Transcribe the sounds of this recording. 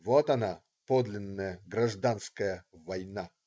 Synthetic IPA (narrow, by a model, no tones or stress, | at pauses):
vot̪ɐna | pod̪lʲɪnːəjəɡɾɐʐd̪anskəjəvɐjna